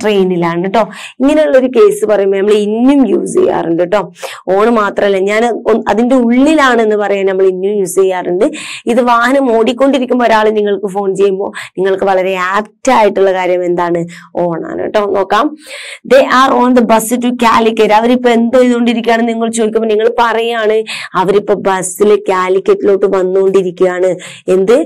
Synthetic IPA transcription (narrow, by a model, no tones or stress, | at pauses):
ʈre̞jnilaːnːɨʈːo̞ːiŋːɐnejuɭːɐo̞ɾuke̞ːsɨpɐrɐjumbonɐmːɐɭeinːumjṵːsḛjːa̰ːrɨɳɖiʈːo̞ː | oːɳɨmaːt̪rɐmɐlːɐɲaːnɐðinde̞uɭːilaːɳɨe̞nːɨpɐrɐjaːnnɐmːɐɭinːjumjuːsejːaːrɨɳɖɨiðɨʋaːhɐnɐmo̞ːɽikʲːo̞ɳɖiɾikʲːumboːɾaːɭɨniŋːɐɭkɨfo̞ːnt͡ɕe̞jːumbo̞ːniŋːɐɭkɨʋɐɭɐɾe̞aːktaːjiʈːuɭːɐkaːɾjɐme̞nd̪aːɳɨ | oːɳa̰ːno̰ʈːeɐnːo̞ːkːaːmd̪e̞ʔaːroːnd̪ɨbɐsɨtːukʲaːlikʲːɐɾɐʋɐɾipːo̞ːe̞nd̪oːiðkoɳɖiɾikʲːaːɳɨniŋːɐɭt͡ɕoːd̪ikʲːɐmboniŋːɐɭpɐrɐjaːɳɨɐʋɐɾipːo̞ːbɐsːilkʲaːlikʲːɐtːilo̞ːʈːɨʋɐnːukoɳɖiɾikʲːujaːɳɨ | e̞nd̪ɨ